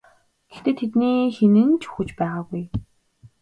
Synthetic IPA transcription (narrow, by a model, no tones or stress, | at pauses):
ɡ̥ext̪eːt̪ʰet̪niːxenɘ̆nt͡ɕʰu̥xŭt͡ɕpæːʁaːɡuj